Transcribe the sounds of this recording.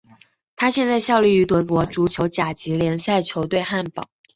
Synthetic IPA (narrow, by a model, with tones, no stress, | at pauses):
t̪ʰa˥ɕjɛ˥˧nt͡sa˥˧ɪɕjɑ˥˧ʊli˥˩y˧˥t̪wə˧˥kwɔ˧˥ʈ͡ʂu˧˥t͡ɕʰjo˧˥ʊt͡ɕja˨˩t͡ɕi˧˥ljɛ˧˥nsa˥˩ɪt͡ɕʰjo˧˥ʊt̪we˥˧ɪxa˥˩npɑ̰˨˩˦